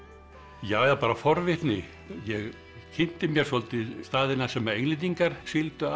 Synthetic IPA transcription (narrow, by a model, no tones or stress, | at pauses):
jaːwðapaːɾafɔɾvɪht̪nɪ | jɛɣ | cʰɪn̥t̪ɪmjɛɾ̥sɔlt̪ɪst̪aːðɪnḁsɛmːaejnlɪt̪̬iŋkaɾ̥sɪlt̪ʏa